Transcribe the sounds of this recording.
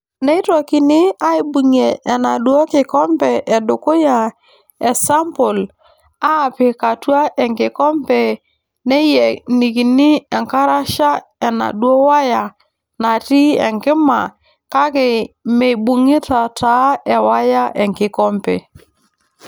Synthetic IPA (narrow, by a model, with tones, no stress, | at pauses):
nɛ˦tɔ˨ki˨nɪ˦a˦i˨bu˨ŋe˨ʔːna˨ɗwɔ˦kɪ˨kɔ˦mpɛ˨ʔɛ˨dʊ˨kʊ˦ja˨ | ɛ˨sa˦mpʊ˨l | a˦˨pɪ˨ka˨twa˦ʔɛ˨ŋkɪ˨kɔ˦mpɛ˨ | nɛ˦jɛ˨ni˨ki˨nɪ˦ɛ˨ŋka˦ɾa˦ʃa˦ɛ˨na̰˨ɗwo˦wa˦ja˨ | na˨ti˦ɛ̰˨ŋkɪ˦ma˨ | ka˦kɪ˨me˨bu˨ŋi˦ta˨ta˨˦ɛ˨wa˦ja˦ʔɛ˨ŋkɪ˨kɔ˦mpɛ̰˨